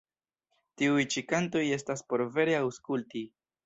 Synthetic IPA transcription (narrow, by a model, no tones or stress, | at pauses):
tiujt͡ʃikanto̞je̞staspo̞ɾve̞ɾe̞awskulti